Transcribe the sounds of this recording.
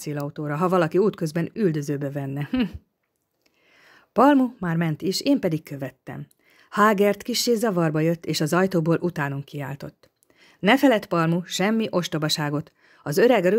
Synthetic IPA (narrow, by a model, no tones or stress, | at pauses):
seːlɒut̪oːɾɒɦɒvɒlɒkiuːt̪kø̞zbɛnyld̪ø̞zøːbɛvɛnːɛh̩ | pɒlmumaːrmɛnt̪iʃeːmpɛd̪ikkø̞vɛt̪ːɛ̰m | haːɡɛrt̪kiʃːeːzɒvɒrbɒjøt̪ːeːʃɒzɒjt̪oːboːlʔut̪aːnoŋkia̰ːlt̪o̞t̪ː | nɛfɛlɛt̪pɒlmuʃɛmːiʔo̞ʃt̪obɒʃaːɡo̞t̪ | ɒzø̞ɾɛɡɾø